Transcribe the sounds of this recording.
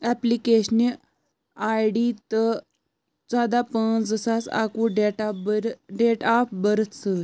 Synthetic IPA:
ɛplikeɕni | ajɖit̪ə | t͡sad̪apənd͡zəsasa̰kuɖeʈabəɾɖeʈapbəɾət̪sə

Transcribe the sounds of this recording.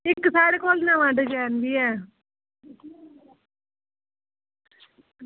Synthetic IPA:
ɪksaːɽeːkoːlnãːʋãːɖəd͡ʒɛːnd̪iːɛː

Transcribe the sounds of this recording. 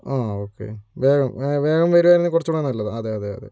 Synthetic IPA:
aːoːkːḛʋeːɡɐmʋe̞ːɡɐmʋɐɾuaːjɾenːɨkurɐt͡ɕːuɽɐnːɐlːɐðaɐðeɐðeɐ̰ðḛ

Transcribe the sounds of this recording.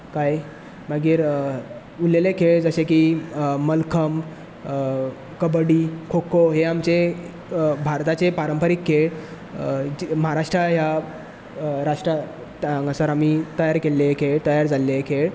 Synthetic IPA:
kaj | maɡiːɾ | ulelekʰeɭd͡zəɕekiməlkʰəm | kəbəɽiːkʰokʰoɦeamt͡se | bʱaɾt̪at͡sepaɾəmpəɾikʰːeɭ | məɦaɾaʂʈɾaɦja | ɾaʂʈɾa | t̪aŋɡəsəɾamit̪əjaɾkelːeekʰeɭt̪əjaɾd͡zalːekʰeɭ

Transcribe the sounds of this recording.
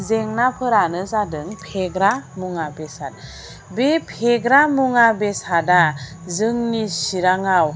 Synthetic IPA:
zeŋnapʰɯɾanɯzadɯŋpʰeɡɾamuŋabesad̚ | bepʰeɡɾamuŋabesada | zɯŋnisiɾaŋaw

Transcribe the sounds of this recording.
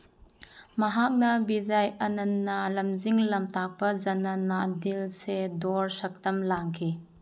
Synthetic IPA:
mɐɦak̚nɐbizɐjʔɐnɐnːalɐmzɪŋlɐmt̪aːpɐzɐnɐnːad̪ilsɛd̪ɔɹsɐk̚t̪ɐmlaːŋkʰi

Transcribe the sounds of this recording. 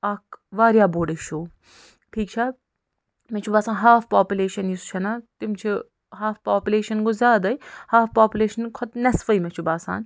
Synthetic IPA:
ɐkʋaːɾjaːboːɖiʃuː | ʈʰiːk̚t͡ʃʰa | met͡ʃʰubaːsaːnɦaːfpaːpʲuleːʃɐnjist͡ʃʰɐnat̪imt͡ʃʰi | ɦaːfpaːpʲuleːʃɐnɡozʲaːd̪ɐjhaːfʰpaːpʲuleːʃɐnkʰɔt̪nɐsfɐimet͡ʃʰubaːsa̰ːn

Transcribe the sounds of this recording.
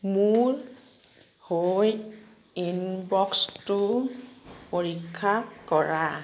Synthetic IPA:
muɹ | hoj | inbɔkstʊ | poɹikʰːakɔɹa

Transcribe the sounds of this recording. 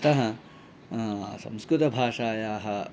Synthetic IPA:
t̪ɐɦɐ | sɐ̰̃mskɾut̪ɐbʱaːʂaːjaːɦɐ

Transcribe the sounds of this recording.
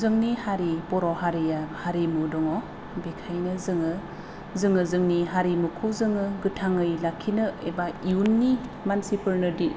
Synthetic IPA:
zɯŋnihaɾipɔɾɔhaɾijahaɾimudɔŋɔ | bikʰajnɯzɯŋɯ | zɯŋɯzɯŋniɦaɾimukʰuzɯŋɯɡɯtʰaŋɯjlakʰːinɯebaiunːimansipɯɾnɯdi

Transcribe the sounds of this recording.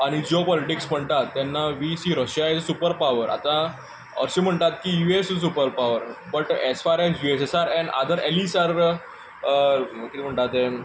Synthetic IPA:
aɽ̃id͡zopɔliʈiksm̤əɳt̪at̪ːanːaʋisiːɾəɕjajt͡ssupəɾpaʋəɾʔa̰t̪ã | ə̰ɾɕiːm̤əɳt̪at̪kijuessupəɾpaʋəɾbəʈesfaɾesjuesesaɾɛ̃ɳɖa̰d̪ʱəɾelisaɾ | kit̪iːm̤əɳt̪at̪e

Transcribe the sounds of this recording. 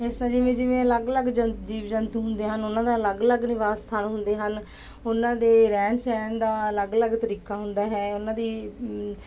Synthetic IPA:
ɪsnãːd͡ʒɪʋẽːd͡ʒɪʋẽːələɡləɡd͡ʒəd͡ʒiːʋd͡ʒənt̪ːɦʊnd̪eːɦənʊnãːd̪aːləɡləɡnɪʋaːsːt̪ʰaːnɦʊnd̪eːɦən | ʊnãːd̪eːɾɛ̃ːɳsɛːnd̪aːələɡələɡt̪əɾiːkaːɦʊnd̪aːɦɛːʊnãːd̪iː

